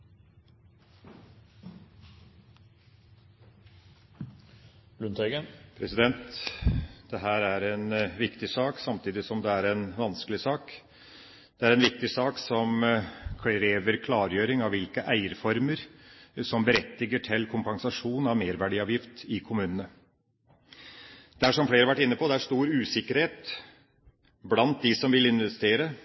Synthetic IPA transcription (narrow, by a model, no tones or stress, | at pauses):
blʉnt̪ʰœɡəpʰɾɛsɪd̪ɛnt̪ | d̪̥ɛɦæːɾæɾɛnʋɪkt̪ɪsɑːksɑmt̪ʰiːd̪ɪsɔmd̪ɛæɾɛnʋɑnskəlɪsɑːk | d̪̥ɛæɾɛnʋɪk̚t̪ɪsɑːksɔmkʰɾeːʋəɾkʰlɑːɾjøːɾɪŋɑʋʋɪlkəʔæɪəɾfɔɾməɾsɔmbəɾɛt̪ːɪɡəʈʰɪlkʰʊmpɑŋsɑʂuːnɑʋmeːɾʋæɖiːɑːʋjɪft̪ɪkʰʊmʉːnənə | d̪̥æʂɔmfleːɾəʋæʈːɪnːəpʰɔd̪ɛæʂt̪uːɾʉːsɪkːəɾheːt̪ | blɑnt̪̚d̪ɪsɔmʋɪlɪnʋɛst̪eːɾə